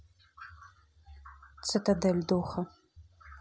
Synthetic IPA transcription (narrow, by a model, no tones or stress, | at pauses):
t͡sʰɨtʰɐdɐldoːχɐ